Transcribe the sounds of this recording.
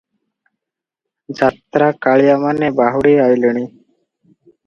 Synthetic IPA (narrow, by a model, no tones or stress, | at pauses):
d͡ʒat̪ɾaːkaɭijamanebaɦuɽiaːjləɽ̃iː